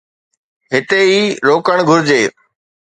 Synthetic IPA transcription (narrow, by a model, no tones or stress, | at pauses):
ɦɪt̪eiːɾoːkəɽ̃ɡʱʊɾɪd͡ʑeː